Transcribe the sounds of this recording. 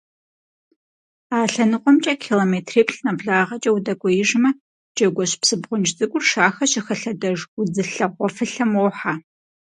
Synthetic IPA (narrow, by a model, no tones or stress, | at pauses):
aːɬɐnɨqʷʼɔmt͡ʃʼɐkʰiːloːmeːtʰreːpʰɬnɐbɮaːʁɐt͡ʃʼɐwdɐkʷʼɔjɪʒmɐ | d͡ʒɐɡʷɔɕpsɨbʁʷʊnt͡ʃzɨkʷʼʊrʃaːxɐɕɪxɐɬɐdɐʒʊd͡zɨɬɐʁʷɔfɨɬɐmoːħa